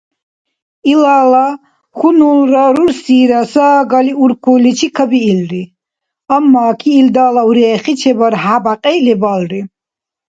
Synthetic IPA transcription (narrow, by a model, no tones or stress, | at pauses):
ilaːla | χunulɾaɾuɾsiːɾasaːɡaliuɾkʰulit͡ʃʰikʰəbiːlɾi | amːaːkʰiːld̪aːlauɾɛːχit͡ʃʰɛbaɾɦabaqʼɛlɛbalɾi